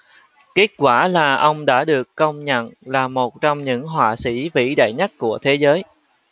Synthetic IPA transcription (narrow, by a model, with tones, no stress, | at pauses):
ke˦˥t̚kwaː˧˩laː˨˩ʔə˧wŋ͡mɗa̰ː˧˥ɗɨ˨˩əkːə˧wŋ͡mɲə̰˧˨nlaː˨˩mo˨˩t̚t͡ɕɔ˧wŋ͡mɲɨ̰˧˥ŋɦwaː˧˨˩sḭ˧˥vḭ˧˥ɗa̰ː˧˨jɲa˦˥t̚ku˧˩ət̪ʰe˨˦zəː˨˦j